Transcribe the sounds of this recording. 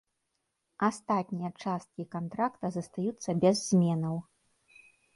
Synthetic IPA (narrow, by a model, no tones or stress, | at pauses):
ast̪at̪ʲnʲijɐt͡ʂast̪̚kʲikant̪ɾakt̪ɐzɐst̪ajut̪sːɐbʲɛzːmʲɛnɐw